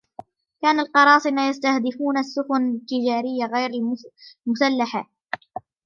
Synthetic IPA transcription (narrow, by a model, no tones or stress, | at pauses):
kaːnalqɑɾˤɑːsˤɪmaːjast̪ahd̪ɪfuːnasːʊxʊnɪt̪ːɪd͡ʒaːɾɪjːaɣajɾ | mʊsalːaħa